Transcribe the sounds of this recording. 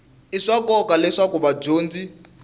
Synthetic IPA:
iʂakɔkalɛʂakuβad͡ʒoːnd͡zi

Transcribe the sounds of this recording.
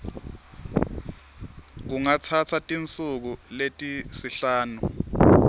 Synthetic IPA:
k̬uŋat͡sʰat͡sʰatʼint͡sʼuk̬uletʼisiɬaːnu

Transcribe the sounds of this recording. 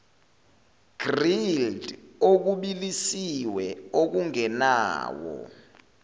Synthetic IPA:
ɡ̥rildok̬uɓilisiwɛok̬uŋɛna̰ːwɔ̰

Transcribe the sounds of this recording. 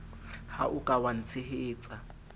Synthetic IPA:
haʔʊkʼawan̩t͡sʰɪɦɪːt͡sʼa

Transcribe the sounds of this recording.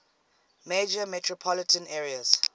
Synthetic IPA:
med͡ʒəmɛtʰɹɔpʰɔlɪtʰə̃nɛːɹiaz̥

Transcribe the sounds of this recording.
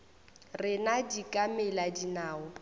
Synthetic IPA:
rɪnadikʼamɛladinaːʊ

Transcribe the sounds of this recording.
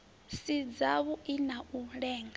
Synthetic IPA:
sid͡zaβuinaʔuɺɛːŋɡa

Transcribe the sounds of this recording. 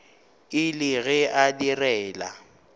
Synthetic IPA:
ɪlɪɣɛʔadirɛːla̰

